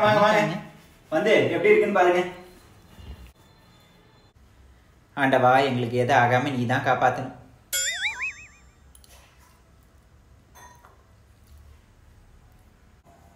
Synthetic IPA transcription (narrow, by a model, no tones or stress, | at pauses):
maːɣɐaːɐŋɐ | ʋɐnd̪ɯɛpːɐɽijɪɾɯkːɯnːɯpaːɾɯŋɡɐ | aɳɖɐʋaːɛŋɡɐɭɯk̬ːeːðɯaːɣaːmɐniːt̪ãːŋkaːpaːt̪ːɐnɯm